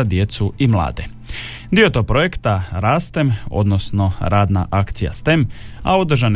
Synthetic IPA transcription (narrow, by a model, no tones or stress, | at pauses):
ad̪je̞t̪suimlˠa̰ːd̪e | d̪io̞t̪oɡ̚pɾo̞jekt̪aɾaːst̪emo̞̰d̪no̞sno̞ɾaːd̪na̰ʔakt̪sija̰st̪em | a̰o̞d̪ɾʒan